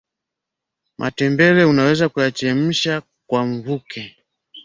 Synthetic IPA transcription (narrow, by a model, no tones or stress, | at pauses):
mʔatɛmbɛlɛunawɛzakujat͡ʃɛm̩ʃa | kwaɱ̩vukʰɛ